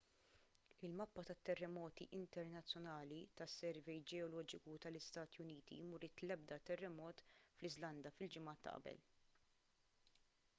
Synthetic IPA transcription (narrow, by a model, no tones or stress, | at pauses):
ɪlmɐpːɐt̪ɐt̪ːɛrːɛmɔːt̪iʔɪnt̪ɛɾnɐt͡sːjɔnɐːlit̪ɐsːɛɾvɛjd͡ʒɛɔlɔːd͡ʒɪkut̪ɐlɪst̪ɐːt̪ijʊniːt̪ḭmʊɾɪt̪lɛb̚d̪ɐt̪ɛrːɛmɔːt̪flɪzlɐnd̪ɐfɪld͡ʒɪmɐːt̪ːɐ̰ʔɐ̰bɛ̰l